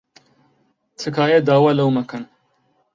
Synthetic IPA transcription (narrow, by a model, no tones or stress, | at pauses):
t̪ʰɨkaːjɐd̪aːwalɐwmɐkʰɐn